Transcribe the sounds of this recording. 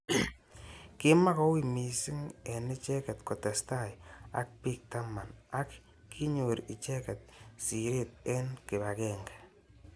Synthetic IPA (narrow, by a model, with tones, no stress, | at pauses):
kɪ˦ma˦kɔ˦wi˦˨mi˨sɪ˦ŋɛ˨ni˦t͡ʃɛ˦kɛ˨tkɔ˨tɛ˨sta˦ja̰˦k̚pi˦k̚ta˦ma˨na˦kː | i˦ɲo˨ɾi˨t͡ʃɛ˦kɛ˨t̚si˨ɾi˦˨t̚ɛ˦nkɪ˨ba˨kɛ˨ŋɡḁ˨